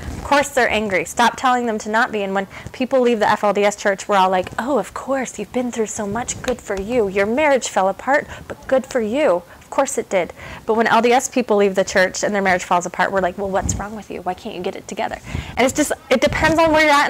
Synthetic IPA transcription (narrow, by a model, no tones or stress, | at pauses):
ʌv̥kʰɔɹsðə˞ʔæ̃ŋɡɹistɑp̚tʰɛlˠɪ̃ŋðɨ̃mtʰɨnət̚b̥iɨ̃nwə̃npʰipl̩ˠlivðiʔɛfɛlˠdiɛst͡ʃʰɜ˞t͡ʃwə˞ɔlˠaɪkoʊʌv̥kʰɔɹsjʉvbɨ̃nθɹʉsoʊmʌt͡ʃɡ̥ʊd̥fə˞jʉjə˞mɛɹɨd̥ʒ̥fɛlˠəpʰɑɹt̚b̥ʌt̚ɡ̥ʊd̥fə˞jʉʌv̥kʰɔɹsɨt̚d̥ɪdb̥ʌt̚wə̃nʔɛ̰lˠdiɛspʰipl̩ˠlivðɨt͡ʃʰɜ˞t͡ʃɨ̃nðə˞mɛɹɨd̥ʒ̥fɔlˠzəpʰɑ̰ɹʔwə˞laɪkwɛlˠwʌtsɹɔ̃ŋwɨðjʉ̰waɪkʰæ̃nt͡ʃɨɡɛɾɨ̰tʰɨɡɛ̰ðə̰˞ʔɨ̃nɨtsd̥ʒ̥ʌstɨt̚d̥ɨpʰɛ̃ndzn̩wə˞jə˞æ